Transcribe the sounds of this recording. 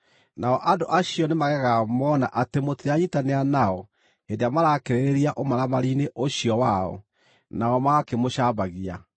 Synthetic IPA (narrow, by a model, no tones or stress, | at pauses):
naɔʔadoʔaɕiɔnemaɣɛɣamɔːnaʔatemoteaɲitaneanaɔ | endeamaɾakeɾeɾeɾiaʔomaɾamaɾineʔoɕijɔwaɔ̰ | naɔmaɣakemoɕabaɣia